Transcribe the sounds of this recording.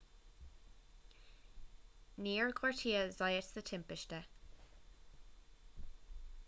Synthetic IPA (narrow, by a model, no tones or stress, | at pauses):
niːəɹkʰwaɹtʰiːəzaɪətsðətʰɛ̃mpɪʃtə